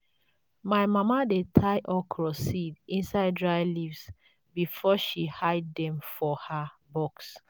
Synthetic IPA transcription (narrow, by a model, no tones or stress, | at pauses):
majmamadetʰajʔɔkʰɹɔsidĩnsaɪddɹajlivs | bifɔʃihajddɛ̃mfɔhabɔks